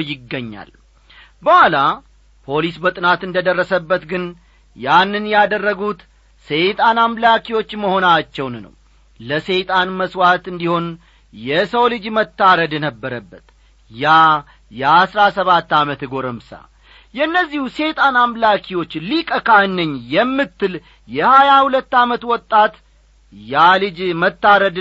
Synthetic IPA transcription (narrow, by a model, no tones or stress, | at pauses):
jɪɡːəɲːa̰l | bəhala | pʰo̞lisbət̪ʼɨnat̪ɨnd̪əd̪ərːəsəbːət̪ɡɨn | janːɨnjɛad̪ərːəɡut̪ | se̞t̪ʼanamlakʰiwo̞t͡ʃːməho̞nat͡ʃːɛwnːə̰w | ləse̞t̪ʼanməswat̪ɨnd̪iho̞n | jɛsəwlɨd͡ʒmət̪ːaɾəd̪nəbːəɾəbːət̪ | ja | jɛasɾasəβat̪ːamət̪ɡo̞ɾəmsa̰ | jɛɨnːəzːihuse̞t̪ʼanamlakʰiwo̞t͡ʃːlikʼəkʰanːɨɲːjɛmːɨt̪ːɨl | jɛhajahulət̪ːamət̪wɔt̪ʼːat̪ | jalɨd͡ʒmət̪ːaɾəd̪